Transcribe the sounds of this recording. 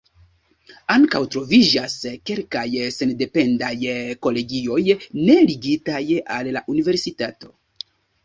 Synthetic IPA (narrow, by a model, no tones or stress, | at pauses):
aŋka̰wtɾo̞vid͡ʒaske̞lkajse̞nde̞pe̞ndajko̞le̞ɡio̞jne̞liɡitajalːaʔunive̞ɾsitato̞